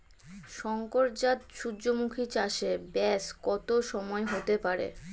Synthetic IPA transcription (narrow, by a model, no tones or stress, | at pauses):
ʃɔŋkoɾd͡ʑat̪ʃud͡ʑomukʰit͡ɕaʃebɛskɔt̪oʃɔmɔeɦot̪epaɾḛ